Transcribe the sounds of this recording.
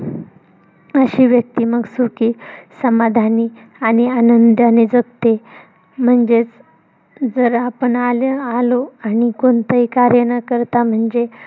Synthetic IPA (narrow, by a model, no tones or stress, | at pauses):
əɕiːʋjək̚t̪iːməɡsukiːsəmad̪ʱani | aɽ̃ianənd̪aned͡zəɡ̚t̪e | m̤əɳd͡ʑet͡s | d͡zəɾapəɳalaloañikont̪əɦikaɾjənakəɾt̪am̤əɳd͡ʑe